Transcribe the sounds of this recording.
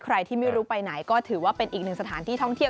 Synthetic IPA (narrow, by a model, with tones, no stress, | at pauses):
kʰɾa˧jt̪ʰiː˥˩ma˥˩jɾuː˦˥pa˧jna˩˦jkɔː˥˩t̪ʰɯː˩˦waː˥˩pe˧nʔiː˨˩k̚nɯ˨˩ŋsa˧tʰaː˩˦nt̪ʰiː˥˩t̪ʰɔ˥˩ŋt̪ʰi˥˩